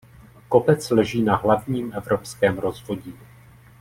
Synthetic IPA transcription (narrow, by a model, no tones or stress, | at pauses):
ko̞pɛt͡slɛʒiːnaɦlavɲiːmʔɛvɾo̞pskɛːmɾo̞zvo̞ɟiː